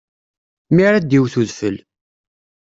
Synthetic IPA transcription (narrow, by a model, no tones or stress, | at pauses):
miɾad̪iwθuðfəl